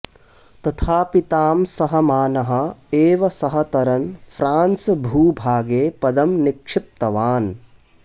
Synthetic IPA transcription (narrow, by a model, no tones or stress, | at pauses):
t̪ɐt̪ʰaːpit̪aːmsɐɦɐmaːnɐɦɐ̆eːʋɐsɐɦɐt̪ɐɾɐnfɾaːnsbʱuːbʱaːɡeːpɐd̪ɐmnikʂɪp̚t̪ɐʋaːn